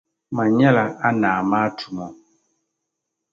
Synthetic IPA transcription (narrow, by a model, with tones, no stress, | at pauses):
ma˨ɲɛ˦la˨a˦naː˨maː˦tʰu˨mɔ˨